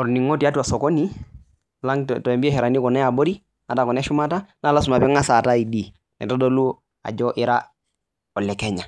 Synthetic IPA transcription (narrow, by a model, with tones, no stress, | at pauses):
ɔ˨ɾni˨ŋɔ˦ti˨a˦tu˦a˨sɔ˨kɔ˦ni˦ | la˦ŋtɔ˨ɛ˨mbi˦ɛ˦hɛ˨ɾa˨ni˦kɔ˨nɛ˦a˨bɔ˦ɾi˦ | ŋa˨ta˨kɔ˨nɛ˦ʃu˦ma˦ta˦na˨˦˨la˦su˨ma˨pɛ˦ŋa˦sa˨ta˦i˨di˦ | nɛ̰˨tɔ˦do˦lu˦ | a̰˨d͡ʒɔ˦ʔi˦ɾa˦ | ɔ˨lɛ˨kɛ˦ɲa˨